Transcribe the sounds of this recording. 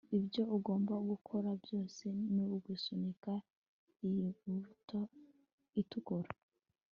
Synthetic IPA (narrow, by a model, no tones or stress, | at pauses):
ibjo̞ʔuɡo̞ːmbaɡukʰoɾabjo̞ːse̞nuːɡwusunika | iuto | itukoɾa